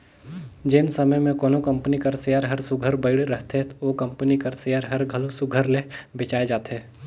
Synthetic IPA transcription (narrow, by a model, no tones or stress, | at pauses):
d͡ʒɪnsəməjmẽkɔːnokɐ̃mpənikɐɾsɪjaːɾɦɐɾsʊɡʱəɾbəɪɽɾəɦt̪et̪okɐmpənikɐɾsɪjaːɾɦɐɾɡʱəlosʊɡʱəɾlebɪt͡ʃaːed͡ʒaːt̪ɦeː